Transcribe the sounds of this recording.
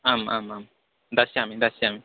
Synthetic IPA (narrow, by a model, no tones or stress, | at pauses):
ama̰mam | nd̪asiamĩnd̪asiami